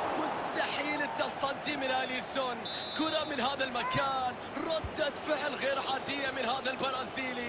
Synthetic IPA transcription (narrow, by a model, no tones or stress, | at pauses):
mʊst̪aħiːlɪt̪ːɑsˤɑd̪ːimɪnʔalisʊnkʊɾamɪnhaːðalmakaːn | ɾˤɑd̪ːat̪fɪʕlɣeːɾħaːd̪ɪjːamɪnhaːðalbɑɾˤɑːziːl